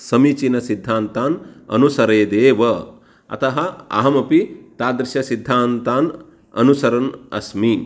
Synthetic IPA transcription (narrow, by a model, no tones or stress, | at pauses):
sɐmit͡ʃinɐsid̪ʱːaːnt̪aːnɐ̰nusɐɾeːd̪eːʋɐ | ɐ̰t̪ɐɦɐɐ̰ɦɐmɐpit̪aːd̪ɾɪʃjɐsid̪ʱːaːnt̪aːn | ɐ̰nusɐɾɐnɐ̰smi